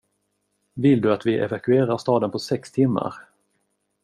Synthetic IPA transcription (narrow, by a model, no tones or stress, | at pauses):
vɪld̪ɵat̪vɪʔɛ̰vakɵeːɾaɾst̪ɑːd̪ənpʰɔsɛkst̪ʰɪmːa̰ɾ